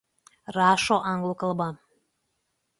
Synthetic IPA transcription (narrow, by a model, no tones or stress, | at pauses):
rɑʃoʔɑŋɡlˠokɤlˠbɑ